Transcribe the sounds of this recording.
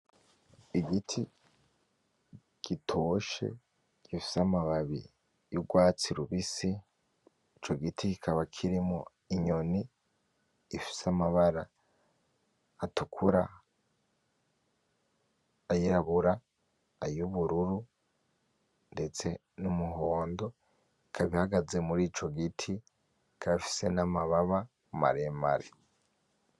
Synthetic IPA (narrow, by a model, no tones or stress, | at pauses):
iɡitʰi | ɡ̥itʰo̞ʃe̞̰ | ɡ̥ifi̥samaβaβḭ | juɡwaːt͡siɾuβisi | it͡ʃo̞ɡitikikʰaβakʰiɾimo̰ | iɲo̞niː | fi̥samaβaɾa | tukʰuɾa̰ | jiɾaβuɾaː | juβuɾuɾu | nde̞t͡se̞ | numuɦo̞ːndo̞ | ikʰaβihaɡaze̞muɾiːt͡ʃo̞ɡitʰi | kʰaβafi̥se̞namaβaβa | uma̰ɾemaɾe